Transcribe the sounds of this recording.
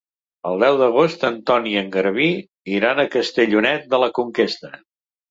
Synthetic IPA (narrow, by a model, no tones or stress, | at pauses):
əlˠd̪ɛwðəɣ̞ost̪ənt̪ɔniəŋɡəɾβi | iɾanəkəst̪əʎunɛt̪̚d̪ələkuŋkest̪ə